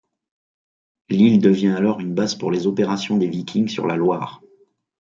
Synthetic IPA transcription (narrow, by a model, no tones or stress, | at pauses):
lild̪əvjɛ̃alɔʁynbazpuʁlezɔpeʁasjɔ̃d̪evikʲʰiŋɡsy̰ʁlalwaːʁ